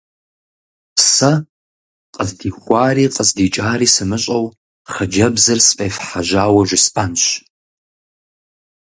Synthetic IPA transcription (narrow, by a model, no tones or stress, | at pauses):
psɐ | qʼəzdiːxʷɑːriːqʼəzdiːt͡ʃʼaːɾiːsɨmɨɕʼɐw | χɐd͡ʒɐbzɐrspʼeːfħaʒaːwɐʒʷɪspʼanɕ